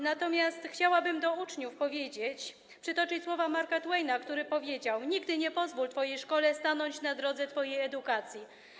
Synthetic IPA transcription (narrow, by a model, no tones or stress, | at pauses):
nat̪ɔmʲjast̪xt͡ɕawabɘmd̪ɔut͡ʂɲufpɔvʲjed͡ʑet͡ɕ | pʂɨt̪ɔt͡ʂɘt͡ɕswɔvamaɾkat̪wɛjnakt̪uɾɘpɔvʲjed͡ʑawɲiɡd̪ɘɲɛpɔzvult̪fɔjejʂkɔlɛst̪anɔɲt͡ɕnad̪ɾɔd̪zɛt̪fɔjejɛd̪ukat̪sʲji